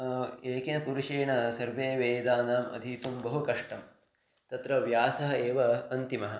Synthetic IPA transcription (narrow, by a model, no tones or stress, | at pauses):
eːkinɐpuɾuʂeːɳɐsɐɾʋeːʋeːd̪aːnaːmɐ̰d̪ʱit̪umbɐɦukɐʂʈɐm | t̪ɐt̪ɾɐʋjaːsɐɦɐeːʋɐɐnt̪imɐɦɐ̆